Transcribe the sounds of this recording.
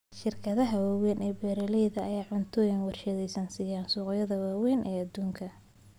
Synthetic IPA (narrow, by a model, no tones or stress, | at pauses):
ʃɪrkʰɐðɐɦɐwaːwɛjnɛːbɛːɾɐlɛjðɐːjaːʕʊnt̪ʰɔːjɐnwɑrʃɐðɛjsɐnsɪjaːnsuːqjɐðɐwaːwɛjnʔɛːɐd̪uːŋkʰɐ